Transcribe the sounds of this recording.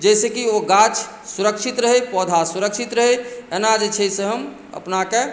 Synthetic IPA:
d͡ʒɛsekioɡat͡ʃ | suɾəkʃit̪ɾəɦepɔːd̪ʱasuɾəkʃit̪ɾəɦeenad͡ʒet͡ʃʰɛjsẽɦəm | ə̰pnake

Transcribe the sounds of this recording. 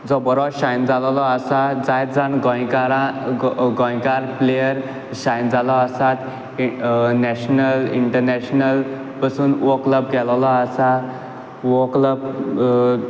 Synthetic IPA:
d͡zɔbɔɾɔɕajnd͡zallɔasad͡zajd͡zanɡɔ̃jkaɾa | ɡɔ̃jkaɾplejəɾ | ɕajnd͡zalɔasat̪ | nɛɕnəliɳʈəɾnɛɕnəl | pasuːnʋokləb̚ɡɛllɔasa | ʋokləb

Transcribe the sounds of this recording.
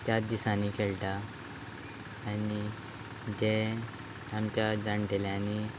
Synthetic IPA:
t̪jad̪isãnikeɭʈ̪a | ni | d͡ʑe | amt͡ɕjadãɳʈeleani

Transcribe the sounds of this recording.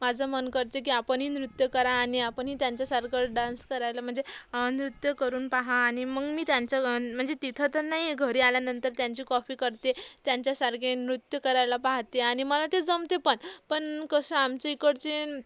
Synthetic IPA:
mad͡zʱəmənkəɾt̪ek̬iːapəɳɦiːnɾut̪jəkəɾãːɽiapəɳɦiːt̪jaɲt͡ɕjasaɾkʰəɖãnskəɾajlam̤əɳd͡zeənɾut̪jəkəɾuːnpaɦãːɽ̃iməɡmiːt̪jaɲt͡ɕam̤əɳd͡zet̪it̪ʰət̪əɾnaɦiɡʱəɾiːaljanənt̪əɾt̪jaɲt͡ɕiːkɔfiːkəɾt̪et̪jaɲt͡ɕjasaɾkʰenɾut̪jəkəɾajlapaɦt̪eaɽ̃iməlat̪ed͡zəmt̪epəɳpəɳkəsəamt͡ɕeikəɽt͡ɕe

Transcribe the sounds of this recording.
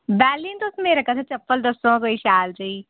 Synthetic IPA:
bɛːliːnt̪osmeɾɐkʰat̪ʰat͡ʃɐpːəld̪ɐsõkoːiʃaːld͡ʒɐiː

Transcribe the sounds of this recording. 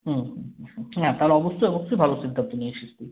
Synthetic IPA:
ɦũ | nat̪aɦoleɔbosːojɔbosːojbʱalosid̪ʱant̪onieʃist̪i

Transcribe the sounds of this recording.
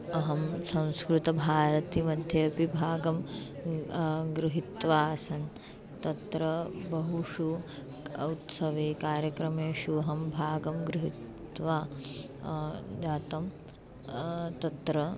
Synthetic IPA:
ɐɦɐmsɐ̃w̃skɾut̪ɐbʱaːɾɐt̪imɐd̪ʱjeːɐpibʱaːɡɐm | ɡɾuɦit̪ʋaːɐsɐn | t̪ɐt̪ɾɐbɐɦuʂu | ɐ̰ut̪sɐʋeːkaːɾjɐkɾɐmeːʃuɐɦɐmbʱaːɡɐmɡɾuɦit̪ | ʋaː | d͡ʒaːt̪ɐm | t̪ɐt̪ɾɐ

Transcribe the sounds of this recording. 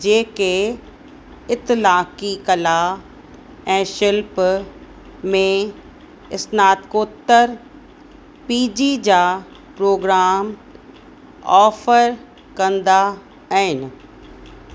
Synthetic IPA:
d͡ʑeːke | ɪt̪ɪlaːkikɐla | ɛ̃ːʃɪlp | mẽ | ɪsnaːd̪koːt̪ːəɾ | piːd͡ʑid͡ʑaː | pɾoːɡɾaːm | ɔːfəɾ | kɐ̃nd̪a | ɦɪnɪ̆

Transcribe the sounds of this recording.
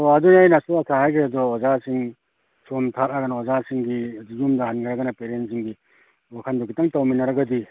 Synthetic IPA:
oadunajnasuɐsʰahajkʰɾeadɔɔzasiŋ | somtʰaɾaɡɐnaɔzasiŋɡidizumdaɦanɡaɾaɡɐnapeɾentsiŋɡi | wakʰandɔɡitaŋtawminɐɾɐɡɐdi

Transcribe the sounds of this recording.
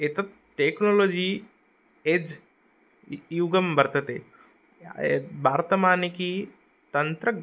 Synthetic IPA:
et̪ɐt̪̚ | ʈeːknoːloːd͡ʒiː | ed͡ʒ | uɡɐmbɐɾt̪ɐt̪ḛ | bʱaːɾt̪ɐmaːniki | t̪ɐnt̪ɾɐ

